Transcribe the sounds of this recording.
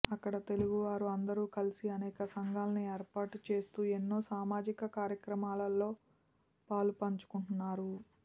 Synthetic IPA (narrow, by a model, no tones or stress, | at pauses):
ɐkːɐɽɐt̪e̞luɡuʋaːɾuɐnd̪ɐɾuːkɐlisiɐnɛːkɐsɐŋɡaːlɐnieːɾpaːʈut͡ʃe̞ːst̪uːe̞nːo̞ːsaːmaːd͡ʒikɐkaːɾjɐkɾɐmaːlɐlːo̞ː | paːlupɐɲt͡ʃu̥kuɳʈunːaːɾu